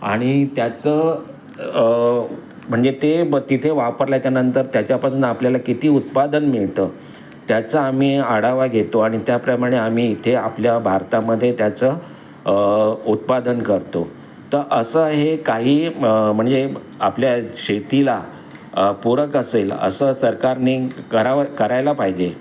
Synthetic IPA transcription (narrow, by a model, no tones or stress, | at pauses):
a̰ɽ̃it̪jat͡səː | m̤əɳd͡zet̪et̪it̪ʰeʋapəɾljat͡ɕjanənt̪əɾt̪jat͡ɕjapasuːnapljalakit̪iːut̪̚pad̪ənmiɭt̪əː | t̪jat͡səam̤iːaɽaʋaɡʱet̪oaɽ̃it̪japɾəmaɽ̃eam̤iːt̪ʰeapljabʱaɾt̪aməd̪ʱːjet̪jat͡sə | ut̪̚pad̪ənkəɾt̪o | t̪əɾʔəsəɦekaɦiːm̤əɳd͡ze | apljaɕet̪ila | puɾəkəselə̰səsəɾkaɾnikəɾakəɾajlapaɦid͡ʑe